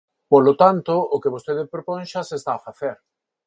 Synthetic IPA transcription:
polot̪ant̪oːkeβ̞ost̪eðepɾopõŋ̃ʃasest̪aːfaθeɾ

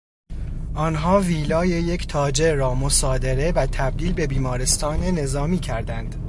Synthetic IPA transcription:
ʔɒːnɦɒːviːlɒːjejecʰt̪ʰɒːd͡ʒe̞ɾɒːmo̞sɒːd̪e̞ɾe̞væt̪ʰæb̚d̪iːlbe̞biːmɒːɾe̞st̪ɒːne̞ne̞zɒːmiːcʰæɾd̪ænd̪̥

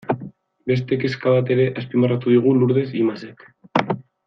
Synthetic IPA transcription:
be̞s̬t̪e̞ke̞skaβat̪e̞ɾe̞ʔaspimarat̪uð̞iɣ̞uluɾð̞e̞simasek

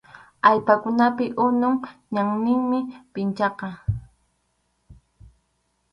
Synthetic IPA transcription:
ajpakʊnapɪʔʊnʊŋɲaŋnɪŋmɪpɪnt͡ʃɑqɑ

